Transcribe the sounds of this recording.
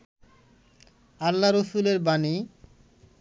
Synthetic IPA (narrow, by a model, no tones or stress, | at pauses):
alːaɾosuleɾbani